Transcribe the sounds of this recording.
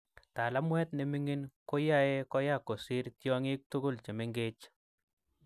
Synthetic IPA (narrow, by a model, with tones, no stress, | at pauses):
ta˨la˦mwɛ˦tne˨mi˦ŋi˦nko˦ja˦e˦kɔ˦ja˦˨ko˨si˦ɾtjɔ˦ŋɪ˦k̚tu˦ɡʊ˦lt͡ʃe˨me˦ŋɡe˦t͡ʃ